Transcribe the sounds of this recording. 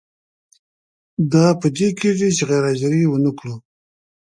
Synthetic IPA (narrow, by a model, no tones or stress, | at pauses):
d̪ɑpəd̪ekeʐit͡ʃeɣejɾɑd͡ʒaɾiwənəkɽu